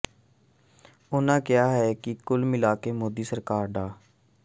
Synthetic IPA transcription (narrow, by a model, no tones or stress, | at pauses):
ʊnãːkɪjaːɦɛːkikʊlmɪlaːkemoːd̪iːsəɾkaːɾɖaː